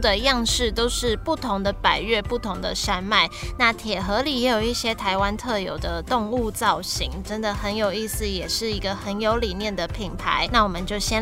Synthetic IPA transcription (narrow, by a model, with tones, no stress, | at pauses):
d̪ə˨jɑ˥˧ŋʂɻ̩˥˩t̪o˥ʊʂɻ̩˥˨pu˥˩t̪ʰʊ˧˦˥ŋd̪ə˨pa˨˩ɪɥɛ˥˧pu˥˩t̪ʰʊ˧˥ŋd̪ə̰˨ʂa˥nma˥˩ɪna˥˩t̪ʰjɛ˨˩xɤ˨˧˥li˨˩jɛ˧˥jo˨˩ʊi˥˩ɕjɛ˥t̪ʰa˧˥ɪwa˦nt̪ʰɤ˥˩jo˨˩ʊd̪ə˨t̪o˥˧ŋu˥˧t͡sɑ˥˩ʊɕi˨˦ŋʈ͡ʂə˦˥nd̪ə˨xə˧˦njo˨˩ʊi˥˧sɹ̩˨jɛ˨˩ʂɻ̩˥˩i˧˥ɡə˨xə˧˦njo˧˥ʊli˨˩njɛ˥˩nd̪ə˩pʰi˨˩npʰa̰˧˦ɪna˥˩wɔ˨˩mə˨nt͡ɕjo˥˩ʊɕjɛ˥